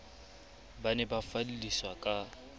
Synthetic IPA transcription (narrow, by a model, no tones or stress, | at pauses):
banɛbafaliliswakʼa